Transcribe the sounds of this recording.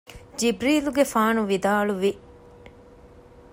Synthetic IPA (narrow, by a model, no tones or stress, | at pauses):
d͡ʒibɾiːluɡefaːnuʋid̪aːluʋi